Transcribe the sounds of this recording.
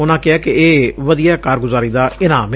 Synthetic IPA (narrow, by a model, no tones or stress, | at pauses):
ʊnãːkɪaːkɪeːʋəd̪ijaːkaːɾɡʊzaːɾiːd̪aːɪnã̰ːm